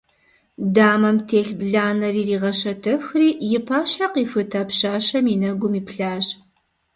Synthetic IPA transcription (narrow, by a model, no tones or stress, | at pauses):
daːmɐmtʰeːɬbɮaːnɐriːriːʁɐʃɐtʰɨxriːjɪpʰaːʃaqiːfɨtʰɐpɕaːʃɐmiːnɐɡʷʊmiːpɬaːʑ